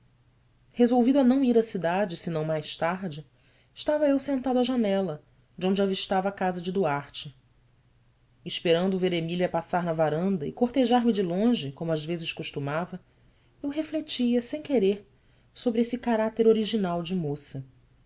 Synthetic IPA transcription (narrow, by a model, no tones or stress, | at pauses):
hezowvid̪ʊɐnɐ̃w̃iɾɐsid̪ad͡ʒɪsɪnɐ̃w̃majʃt̪aɾd͡ʒɪ | ɪʃt̪avɐewsẽnt̪ad̪ɐʒanɛlɐ | d͡ʒɪõñd͡ʒaviʃt̪avɐakazɐd͡ʒɪd̪uaɾt͡ʃɪ | ʃpeɾɐ̃nd̪ʊveɾemiliɐpasaɾnɐvaɾɐ̃nd̪ɐɪkoɾt̪eʒaɾmɪd͡ʒɪlõʒɪkõmʊazvezɪʃkuʃt̪umavɐ | ewɦeflet͡ʃiɐsẽj̃keɾeɾ | sobɾɪesɪkaɾat̪eɾoɾiʒinawd͡ʒɪmosɐ